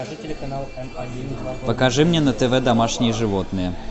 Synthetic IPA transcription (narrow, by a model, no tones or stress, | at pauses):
pəkaʐɨmnʲɛnɐt̪ɛvɛd̪amaʂnʲɪjəʐɨvɔt̪nɨjə